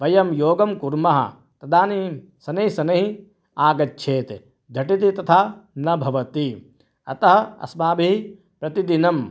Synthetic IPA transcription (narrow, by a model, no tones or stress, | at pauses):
ʋɐjɐmjoːɡɐmkuɾmɐɦɐ̰ | t̪ɐd̪aːni | sɐnɐɦisɐnɐɦi | aːɡɐtːʃʰeːt̪ | d͡ʒ̪ʱɐʈit̪̬it̪ɐt̪ʰaːnɐbʱɐʋɐt̪i | ɐ̰t̪ɐɦɐ̆ɐ̰smaːbiɦi | pɾɐt̪id̪inɐm